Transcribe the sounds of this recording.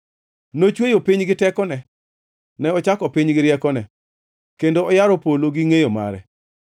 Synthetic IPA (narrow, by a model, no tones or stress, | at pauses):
not͡ʃwejopiɲɡɪtɛkɔnɛ | nɛɔt͡ʃakɔpiɲɡɪɾjɛkɔnɛ | kendoɔjaɾɔpoloɡiŋejoma̰ɾɛ̰